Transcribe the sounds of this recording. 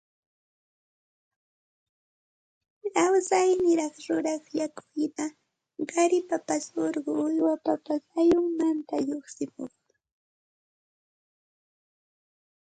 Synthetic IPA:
lawsajnɪɾɑχɾʊɾɑχjakʊjna | ɢɑɾɪpapasoɾɢʊʊjwapapasajʊŋmant̪aʎoχsɪmo̰χ

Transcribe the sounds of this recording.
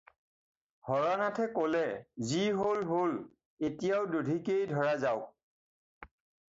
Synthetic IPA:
hɔɹanatʰɛkolɛziɦolɦol | etijaʊdudʱikejdʱɔɹazaʊk̚

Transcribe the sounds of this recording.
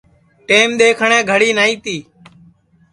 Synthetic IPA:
ʈeːmɗ̪eːkʰəɳẽːɡʱəɽiːnaːĩːt̪iː

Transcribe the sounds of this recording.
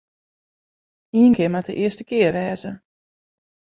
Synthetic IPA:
iənkɪəɹmadə̰ʔɪəstəkɪərʋɛːzə

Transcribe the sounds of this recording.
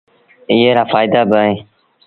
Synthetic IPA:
ɪjeːɾaːfaːjd̪aːbəẽː

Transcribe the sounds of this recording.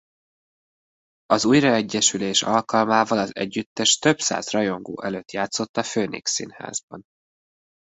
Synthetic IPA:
ɒzuːjrɒɛɟːɛʃyleːʃɒlkɒlmaːvɒlɒzɛ̰ɟːyt̪ːɛʃt̪ø̞bsa̰ːzrɒjo̞ŋɡo̰ːʔɛløt̪jaːt̪so̞t̪ːɒføːnḛːksḭnha̰ːzbɒ̰n

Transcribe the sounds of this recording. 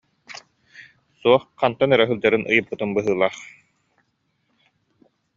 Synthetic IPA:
suɔχqant̪anœɾɛɦɯlˠd͡ʑaɾɯnʔɯjɯpːɯt̪ɯnbɯɦɯːlˠaːχ

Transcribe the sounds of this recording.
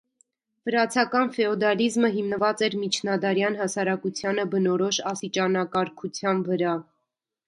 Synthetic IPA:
vəɾɑt͡sʰɑkɑnfɛɔd̪ɑlizməɦimnəvɑt͡sɛɾmit͡ʃʰnɑd̪ɑɾjɑnɦɑsɑɾɑkut͡sʰjɑnəbənɔɾɔʃɑst̪it͡ʃɑnɑkɑɾkʰut͡sʰjɑnvəɾɑ

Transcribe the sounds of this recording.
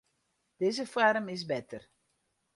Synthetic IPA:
d̥ɪzəfwaɾmɪs̬bɛtər

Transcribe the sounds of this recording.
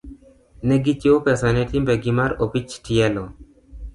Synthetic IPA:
nɛɡit͡ʃopɛsanɛtimbɛɡimaɾopit͡ʃtiɛlɔ

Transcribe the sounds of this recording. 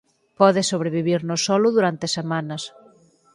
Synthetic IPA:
pɔðɪsoβ̞ɾeβ̞iβiɾnʊsːɔlʊðuɾant̪esemãnɐs

